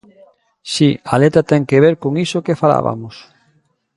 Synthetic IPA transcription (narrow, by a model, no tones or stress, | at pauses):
sialet̪ɾat̪ɛŋkeβ̞eɾkoŋisokefala̰βa̰mos